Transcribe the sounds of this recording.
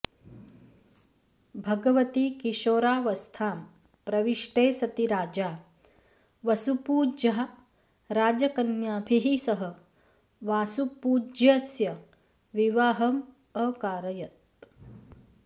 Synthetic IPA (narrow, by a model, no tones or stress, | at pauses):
bʱɐɡɐʋɐt̪ikiʃoːɾaːʋɐst̪ʰaːm | pɾɐʋiʂʈeːsɐt̪iɾaːd͡ʒaː | ʋɐsupuːd͡ʒɐɦɐ | ɾaːd͡ʒɐkɐnjaːbʱiɦisɐɦɐ | ʋaːsupuːd͡ʒjɐsjɐ | ʋiʋaːɦɐm | əːkaːɾɐjɐt̪̚